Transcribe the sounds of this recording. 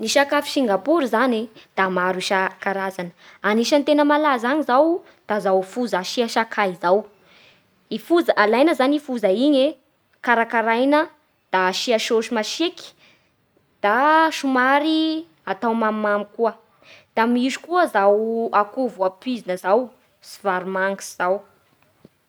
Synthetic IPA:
niʃakafi̥ʃiŋɡapuɾizaned̪̥amaɾiʃakaɾazanəaniʃant̪enəmalazaɲizaw | d̪̥azawfuzaʃiaʃakʰaizaw | ifuzaʔalajnəzanifuzaiɲe | kaɾakaɾajnə | d̪̥aʃiaʃoʃimaʃeki̥ | d̪̥aʃumaɾi | at̪awmamːamikuə | d̪̥amizu̥kuəzawakuvuapizinəzaw | sivaɾmaŋɡi̥sz̥aw

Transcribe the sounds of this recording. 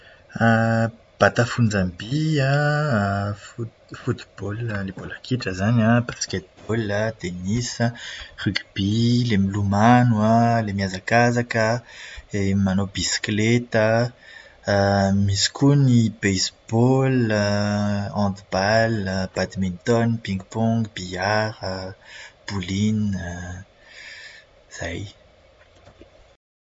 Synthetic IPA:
a | b̥at̪afund͡zãmbia | f | fut̪b̥oləlebolakiʈ͡ʂəzaɲãbasket̪̚b̥olət̪enisəʁykb̥ilemilumanualemiazakazakəeimanobisi̥klet̪ə | misi̥kʰunibejsb̥ɔl | ɑ̃d̪balb̥ad̪mĩnt̪ɔnpĩŋɡpɔ̃ŋɡb̥iaɾə | b̥ulin | z̥aj

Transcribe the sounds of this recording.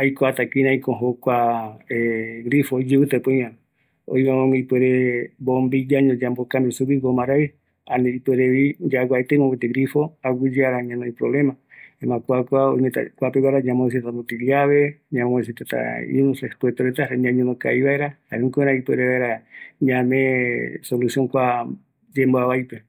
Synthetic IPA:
ajkoat̪akinãikõɦokʷaeɡɾifojd͡ʒɨβɨt̪epojã | o̰jβamõŋaipweɾebombid͡ʒaɲõd͡ʒambokambisuβiɡomaɾaj | aneipeɾeβid͡ʒaɡʷaet̪eimõbet̪eɡɾifoaɡid͡ʒaɾaɲãnõĩpɾoβlemãemãkʷakʷao̰imet̪a̰kʷapeβaɾaɲãmões̬it̪t̪anot̪iliaβeɲãmões̬it̪at̪a̰ḭnũsespwet̪oɾet̪aɾeɲãɲõnõka̰iβaeɾahaɾukoeɾãipweɾeβaeɾaɲãmẽsolusjoŋkʷa | d͡ʒemboaβajpe

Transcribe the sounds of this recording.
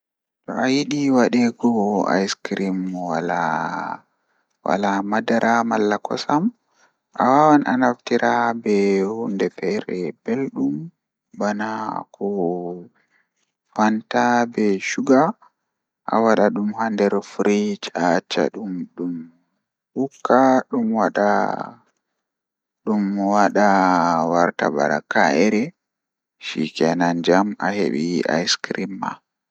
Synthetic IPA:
tɔ̰ajiɗiwaɗɛɡɔa̰jskɾimwala | wa̰lamadaɾʔamalːakʰɔsam | ʔa̰wawanʔanaftiɾabɛhundɛfɛɾɛb̥elɗum | banakʰɔ | fantabɛʃuɡa | ʔa̰waɗaɗumhandɛɾfɾit͡ʃat͡ʃːa̰ɗumɗum | hukʰːaɗumwaɗa̰ | ɗumwaɗawaɾta̰ba̰ɗa̰kaʔɛɾɛ | ʃikɛnand͡ʒamahḛɓiʔa̰jskɾimːa̰

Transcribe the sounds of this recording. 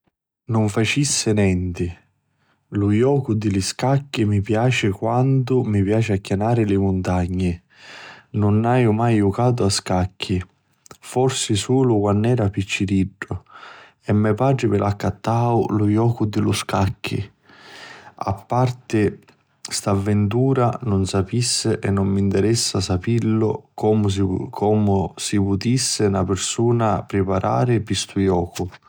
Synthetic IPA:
nʊɱfat͡ʃisːɪnɛnt̪ɪ | lʊjɔːkʊd̪ɪlɪskakːɪmipjaːt͡ʃɪkwant̪ʊmipjaːt͡ʃɪakːanaːɾɪlɪmʊnt̪aɲːɪ | nʊnːajʊmajukaːt̪̬ʊaskakʰːɪ | fɔrsɪsuːlʊkwanːɛːɾapit͡ʃːiɾiɖːʊ | ɛmːɛpaːʈɾɪmɪlʔakːat̪ːaːʊlʊjɔːkʊd̪ɪlʊskakʰːḭ | a̰pːart̪ɪ | st̪avːɪnt̪uːɾanʊnsapisːɪʔɛnːʊmːint̪ɛɾɛsːasapilːʊkɔmʊkʰɔːmʊsipʊt̪isːɪnapɪɾsuːnapɾɪpaɾʔa̰ːɾɪpist̪ʊjɔːkʊ

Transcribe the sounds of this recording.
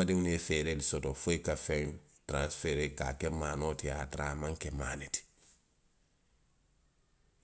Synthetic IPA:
adiŋnefeːɾelisotofoikafeŋ | tɾãnsfeɾeka̰kemaːnoːtijatɾaːmaŋkemaːniti̥

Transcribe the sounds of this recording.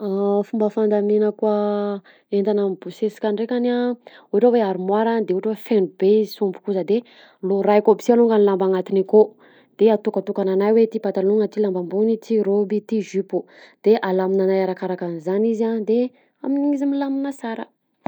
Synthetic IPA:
afumbəfand̪amenəkwa | ent̪anamibusesi̥kʲaɳɖ͡ʐekʲana | uʈ͡ʂaweaɾumwaɾand̪euʈ͡ʂwefenubeizisumbu̥kuzəd̪e | loɾajkobi̥sialuŋɡanilambaŋat̪iniko | d̪̥eat̪ukət̪ukananajwet̪ipat̪aluŋət̪ilambambunit̪iɾobit̪iʒypud̪̥eʔalaminanajaɾakaɾakanizanizand̪e | aminiŋizimilaminəsaɾə̰

